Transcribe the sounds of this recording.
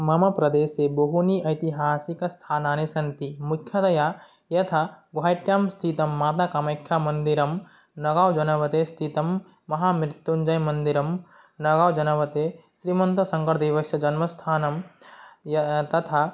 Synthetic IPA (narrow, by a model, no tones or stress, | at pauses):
mɐmapɾɐd̪eːsebɐɦuniɐɪt̪iɦaːsikɐst̪ʰaːnaːnesɐnt̪imukʰjɐd̪ɐja | jɐt̪ʰaɡaːjʈjamst̪ʰit̪ɐmːaːt̪akɐmɐjkʰːjamɐnd̪iɾɐm | nɐɡaːwd͡ʒɐnɐʋɐt̪est̪ʰit̪ɐmː | ɐɦamɪɾt̪ːund͡ʒɐjmɐnd̪iɾɐm | nɐɡaːwd͡ʒɐnɐʋɐt̪eʃɾiːmɐ̃nt̪ɐsɐ̃ŋkɐɾd̪iʋɐsjɐd͡ʒɐnmɐst̪ʰaːnɐm | t̪ɐt̪ʰa